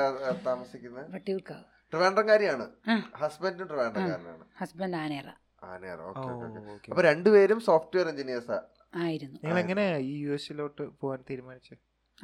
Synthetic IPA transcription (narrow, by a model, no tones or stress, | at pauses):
t̪aːmɐsikʲːunːɐʋɐʈːiukɐ | ʈrɨʋeːɳɖrɐŋkaːɾjimaːɳɨaːhɐsbɐndiumʈrɨʋeːɳɖrɐkaːɾɐna̰ːɳɨhɐsbɐnɖaːneːra̰ | a̰ːneːrɐ̰oːkoːeo̰keokːekːɐpːoːɾe̞ɳɖupeːɾumsoːfʈuʋejɐɾeɲd͡ʑinijɐsa̰ | aːjiɾunːuɲɐŋːɐɭeŋːɐne̞iːjuːesiloːʈːɨpoːʋaːnt̪iːɾumaːnit͡ɕːɨ